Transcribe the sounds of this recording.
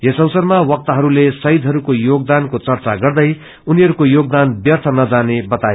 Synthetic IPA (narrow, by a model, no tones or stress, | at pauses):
jʌsʌwsʌɾmawʌk̚t̪ʌɦʌɾulesʌid̪ʱɦʌɾukojoɡ̚d̪ankot͡sʌrt͡saɡʌrd̪ʌj | uniɦʌɾukojoɡ̚d̪anbjʌrt̪ʰʌnʌd͡zanebʌt̪aje